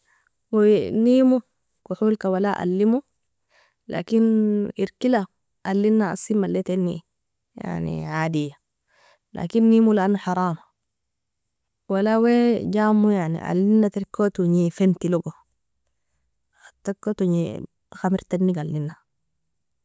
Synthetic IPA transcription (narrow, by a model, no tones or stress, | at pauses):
weniːmu | kuħulkawalaʔa̰lːimu | lʔa̰kiniɾkila | ʔalːinːaa̰simːalːet̪enːḭ | ja̰ʕnḭʕaːdijːa | la̰ːkinːimulaanuħɑɾˤɑːma | walaweɟaːmːujaʕnḭʔa̰lːinːat̪iɾkːot̪uɲifent̪iloɡo | at̪ːakːot̪uɲḭ | xamiɾt̪enːiɡalːinːa